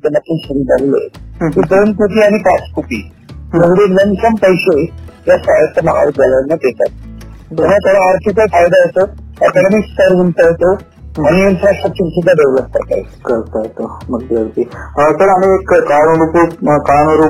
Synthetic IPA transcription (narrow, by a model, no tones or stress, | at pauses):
t̪emət̪ʰːunsuɾid̪aɡlḛkiːd̪onkupiːaɽ̃ipat͡skupḭː | məɡɽeləmsəmpəjɕejjasʋajət̪ʰːəmaɦa̰ɾɡəlnːat̪et̪a̰t̪̚bt̪ɛnat̪ʰoɽ̤aːɾt̪ʰikafajd̪aɦet̪oa̰t̪lamikskəɾɦəɳt̪aɦot̪o | aɽ̃iːnfɾasʈɾək̚t͡ɕəɾsud̪ʱːad̪eʋləp̚kəɾt̪a̰ɦo̰t̪kəɾt̪əɾt̪oməɡd̪eəɾt̪iət̪əɾam̤iekkaɳoɾupukaɳoɾu